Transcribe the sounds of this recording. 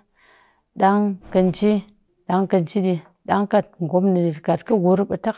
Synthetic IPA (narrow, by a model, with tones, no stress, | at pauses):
ɗa˦ŋkə˧n˦t͡ʃi˦ | ɗa˦ŋkɐ˧nt͡ʃi˦ɗi˧ | ɗa˦ŋka˨t̚ŋ̩˨ɡʷo˨˦mni˨ɗi˨tka˨tkə˦ɡu˨ɾpɐ˧ta˦k